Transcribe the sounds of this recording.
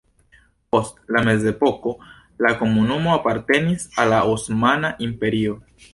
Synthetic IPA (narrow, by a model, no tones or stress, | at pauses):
po̞stlame̞ze̞po̞ko̞ | lako̞munumo̞apaɾte̞nisalːaosmanaʔimpe̞ɾio̞